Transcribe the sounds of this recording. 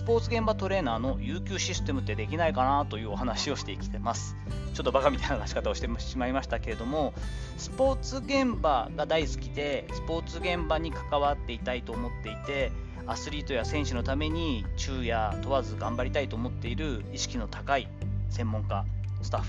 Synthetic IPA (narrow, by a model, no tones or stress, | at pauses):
sɨ̥po̞ːt͡sɨɡẽ̞mbat̪o̞ɾe̞ːnaːno̞jɯːkʲɨːɕisɨ̥t̪e̞mɯ̟t̪ːe̞d̪e̞kʲinaikanat̪o̞jɯ̟ːo̞hanaɕio̞ɕi̥t̪e̞ikʲi̥t̪e̞masɨ̥ | t͡ɕo̞t̪ːobakamʲit̪ainakaɕi̥kat̪ao̞ɕit̪emaimaɕi̥t̪ake̞ɾe̞d̪o̞mo̞ | sɨ̥po̞ːt͡sɨɡẽ̞mbaɡad̪aisɨ̥kʲid̪e̞sɨ̥po̞ːt͡sɨɡẽ̞mbaɲ̟ikḁkaβat̪ːe̞it̪ait̪o̞ːmo̞t̪ːe̞it̪e̞ | asɨɾʲiːt̪o̞jasẽ̞ɕɨno̞t̪ame̞ɲ̟it͡ɕɨːjat̪o̞βazɨɡãmbaɾʲit̪ait̪o̞ːmo̞t̪ːe̞iɾɯ̟iɕi̥kʲino̞t̪ʰakai | sẽ̞mːõ̞ŋka | sɨ̥t̪aɸ